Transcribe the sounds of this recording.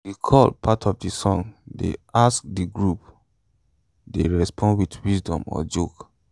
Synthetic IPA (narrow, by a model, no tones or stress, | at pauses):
wikʰɔlpʰatʰɔvdisɔ̃ŋdḛask̚diɡɹup | deɹɛspʰɔ̃ndwidwisdɔ̰̃mɔ̰d͡ʒok